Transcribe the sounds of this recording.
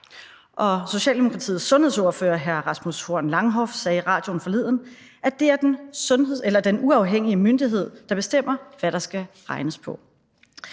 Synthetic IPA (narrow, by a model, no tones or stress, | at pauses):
ʔɒ̽so̝ɕɛ̰ːld̥emokʰʁɑ̈t͡sʰḭːð̩ˠsːɔ̽nhe̝ðˠsɔɐfø̰ːɐɦæɐʁɑ̈smushoɐ̰nlɑ̈ŋɦɒ̽fsɛːʁɑ̰̈ːd̥jo̝n̩fɒ̽le̝ð̰ˠn̩ | ʔæd̥e̝æɐd̥ensɔ̽nɦe̝ð̰ˠelɐd̥enuɑ̈ʊɦeŋ̰iəmønd̥iɦe̝ð̞̰ˠd̥ɑ̈b̥e̝sd̥em̰ɐʋæɾɑ̈sɡ̥æʁɑ̈ɪnəspʰɒ̽